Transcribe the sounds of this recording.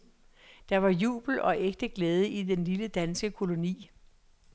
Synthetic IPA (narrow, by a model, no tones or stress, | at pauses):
d̥ɑ̈ʋɑ̈jṵːb̥l̩ɒ̽ʔeɡ̥̚d̥əɡ̥lɛːð̞ˠəʔid̥enliləd̥ænsɡ̥əkʰo̝lo̝nḭː